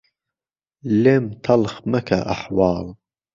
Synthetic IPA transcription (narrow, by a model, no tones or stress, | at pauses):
lemt̪ʰɐlxmɐkʰa̰ʔaħwɑːl